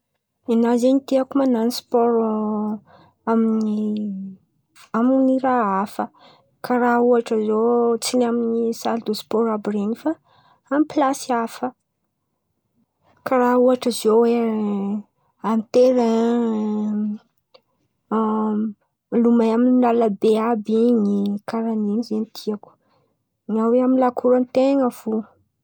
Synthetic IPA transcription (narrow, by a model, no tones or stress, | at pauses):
enazenit̪iakumananispɔɾ | amini | aminiɾaafə | kaɾauaʈ͡ʂəzot͡sinaminisald̪ospɔɾabɾenifa | amiplasiafə | kaɾauaʈ͡ʂəzowe | amit̪eɾa | lumajamininalabeabiŋikaɾaninizenit̪ʰiaku̥ | ŋaweaminlakʰuɾant̪eŋəvu